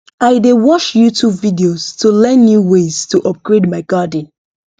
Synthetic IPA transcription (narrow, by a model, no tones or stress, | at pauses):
aɪdewɔʃjutʰubvidioz̥tʰulɛ̃nːjuwez̥tʰuʔɔp̚ɡ̥ɹedmaɪɡadn̩